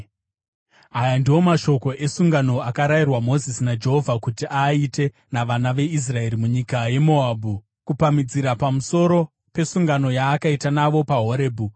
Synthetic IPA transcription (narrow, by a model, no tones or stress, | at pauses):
ajandiwo̞maʃo̞ko̞ʔe̞suŋɡano̞akaɾairwamo̞zisinad͡ʒe̞ɦo̞vʱakutiʔaite̞ | naʋanaʋe̞is̬rae̞ɾimuɲikaje̞moaːbʱu | kupamid͡ziɾapamuso̞ɾo̞ | pe̞suŋɡano̞jaːkaitanaʋo̞paɦo̞ɾeːbʱu